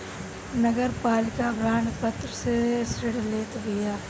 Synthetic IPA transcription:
nɐɡəɾpaːlɪkabɾaːɳpɐt̪ɾəsesɾɪɽleːt̪bɪjaː

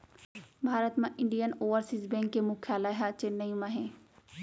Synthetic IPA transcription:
bʱaːɾət̪mãʔɪɳɖijənoːʋəɾsisbɛ̃ːŋkːemʊkʰjaːlaɦat͡ʃenːəjmãɦẽː

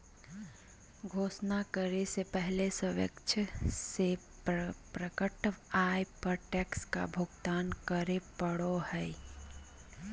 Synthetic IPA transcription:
ɡʱoːsnakəɾesepɛɦlesəʋjə̰kt͡ʃʰəse | pɾəkəʈʋaːpəɾʈɛːkska̰bʱʊɡt̪aːnkəɾepəɽohɛɪ

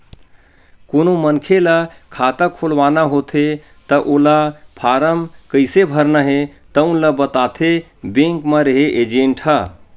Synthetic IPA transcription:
konomənkʰeləkʰat̪əkʰolʋanaɦot̪ʰe | t̪əʔolapʰaɾəmkəɪsebʱəɾnəɦet̪əũnləbət̪at̪ʰe | bẽŋkməɾeɦeʔed͡ʒẽɳʈɦə

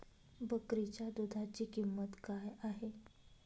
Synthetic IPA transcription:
bəkɾit͡ɕad̪od̪ʱat͡ɕiːkimːət̪kajaɦe

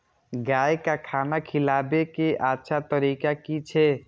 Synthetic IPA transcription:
ɡaːjkakʰaːnakʰɪlaːbekeʔatːʃʰat̪əɾiːkakit͡ʃʰe

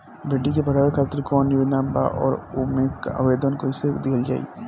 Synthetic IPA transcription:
bʱeːʈːikepɐɽaːʋekʰaːt̪ɪɾkɔːnːɪʋɪnaːmba̰ʔɔ̰ːɾomẽːka̰ʋeːd̪ənkoised̪eəld͡ʒa̰ːḭ

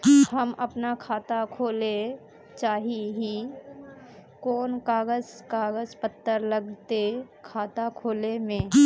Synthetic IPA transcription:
hɐmɐpnakʰaːt̪akʰoːle | t͡ʃaːɦiɦi | koːnkaːɡəzkaːɡəzpət̪ːəɾləɡt̪ekʰaːt̪akʰoːlemẽː

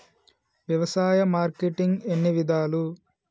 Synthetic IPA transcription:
ʋjɐʋɐsaːjɐmaːɾkeʈiŋɡenːiʋid̪aːlu

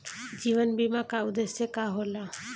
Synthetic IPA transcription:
d͡ʒiʋənbʱimãkaud̪esjekaɦola

